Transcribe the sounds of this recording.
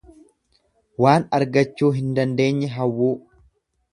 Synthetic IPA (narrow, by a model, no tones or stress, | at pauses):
waːnɐɾɡɐt͡ʃːuːɦɪnd̪ɐnd̪e̞ːɲːɛɦɐwːuː